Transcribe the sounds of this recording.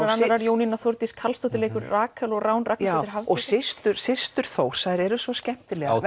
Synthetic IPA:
ɾanːaɾaɾjoːwninaθoɾt̪iskʰalst̪owt̪ɪleːjkʏɾraːkʰɛlɔɣraːwnrʔaːk̪t̪ːt̪ɪ̥ɾɦavɔsɪst̪ʏɾsɪst̪ʏɾ̥θoːwr̥sajɾɛɾʏsvɔscɛm̥t̪ɪlɛɣ

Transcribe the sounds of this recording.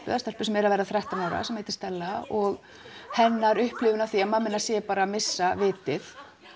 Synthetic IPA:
pʏ̰ðast̪ɛl̥pʏ̥sɛmɛɾavɛjɾðaθɾɛht̪anaːwɾa̰sɛmːeːjt̪ɪ̥st̪ɛlːaɔɣ | hɛnːaɾʏhplɪːvʏnavθiamamɪnːasjɛpaːɾamɪsːavɪːt̪ɪθ

